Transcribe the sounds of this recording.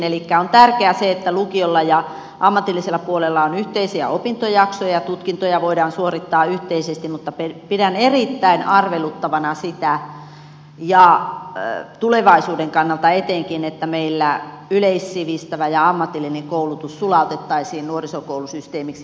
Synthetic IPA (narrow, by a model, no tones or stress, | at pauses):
nelikːæont̪ærkeæseet̪ːælukiolːɑjɑ | ʔɑmːɑt̪ilːiselːɑpuolelːɑonyht̪eisiæ̰opint̪ojɑksojɑjɑt̪ut̪kint̪ojɑʋoidɑːnsuorit̪ːɑːyht̪eisest̪immut̪ːɑpepidænerit̪ːæinɑrʋelut̪ːɑʋɑnɑsit̪æ | jɑ | t̪uleʋɑisuːdeŋkɑnːɑlt̪ɑet̪eŋkinet̪ːæmeilːæ | yleisːiʋist̪æʋæjɑɑmːɑt̪ilːineŋkoulut̪ussulɑut̪et̪ːɑisiːnnuorisokoulusyst̪eːmiks